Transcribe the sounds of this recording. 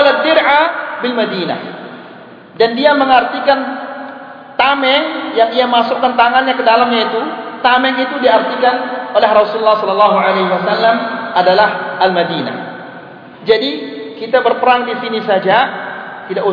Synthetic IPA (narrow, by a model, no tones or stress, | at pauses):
lad̪ɪɾʕabilmadina̰h | dandiaməŋart̪ikan | t̪amɛŋjaŋiamasʊkːant̪aŋanɲakədalamɲait̪ut̪amɛŋit̪udiart̪ikanolɛɦrɔsululːahsɔlɔlːɑɦualaɦiwasalːamadalahalmadina̰h | d͡ʒadikit̪abərpəɾaŋdisinisad͡ʒat̪idaʔu